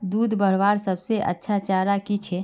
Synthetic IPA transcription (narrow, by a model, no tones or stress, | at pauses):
d̪ud̪ʱbəɾʋaɾsəbseʔə̰tːʃʰat͡ʃaɾakit͡ʃʰɛ